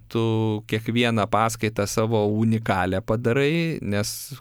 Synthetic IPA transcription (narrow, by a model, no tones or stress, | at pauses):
t̪ʊkʲiɛkʋʲiɛnɐpɑːskɐɪt̪ɑsɑːʋoːʊnʲɪkɑːlʲɛpɐd̪ɐɾɐɪnʲɛs